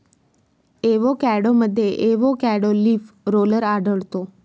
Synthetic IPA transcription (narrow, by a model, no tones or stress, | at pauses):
eʋokɛɽoməd̪ʱjeʔeʋokɛɽoliːfɾoːləɾaɖəɭt̪o